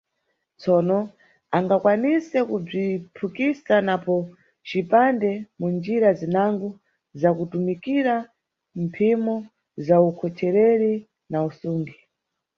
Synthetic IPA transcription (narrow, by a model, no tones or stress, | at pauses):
t͡sɔnɔ | aŋɡakwanisɛkub͡ʐipʰukisanapɔ | t͡ʃipandɛmund͡ʒiɾazinaŋɡɔ | zakutumikiɾa | mpʰimɔ | zaukʰɔt͡ʃʰɛɾɛɾi | nausuːŋɡi